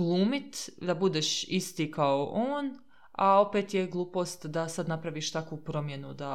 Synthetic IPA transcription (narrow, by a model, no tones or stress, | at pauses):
blˠuːmit̪d̪abud̪eːʃist̪ikaoʔoːn | ao̞peːt̪jeɡlˠuːpo̞ːst̪d̪asad̪napɾaʋiːʃt̪akʋupɾo̞mje̞nud̪a